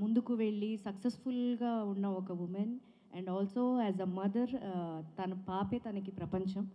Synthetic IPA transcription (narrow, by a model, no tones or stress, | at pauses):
mund̪ukuʋeɭːisɐksesfulɡaːunːɐɔkɐʋumen | ɛ̃ɳɖɔːlsoːɛːzɐmɐd̪ɐɾt̪ɐnɐpaːpeːt̪ɐnɐkipɾɐpɐɲt͡ʃɐm